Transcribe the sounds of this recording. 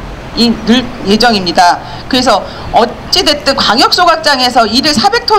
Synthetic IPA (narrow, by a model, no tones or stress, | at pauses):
inɯɭje̞d͡ʑʌŋimɲida | kɯɾe̞s̬ʰʌ | ʌ | t͡ɕ͈idwe̞t̚t͈ɯnkwaŋjʌk̚s͈oɡak̚t͡ɕ͈aŋe̞s̬ʰʌiɾɯɭsʰabe̞k̚tʰo